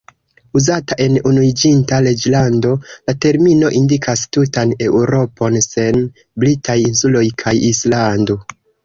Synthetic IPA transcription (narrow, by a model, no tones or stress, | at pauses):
uzataʔe̞nunuid͡ʒintale̞d͡ʒlando̞late̞ɾmino̞ʔindikʰastutane̞wɾo̞po̞nse̞n | blitajinsulo̞jkʰajislando̞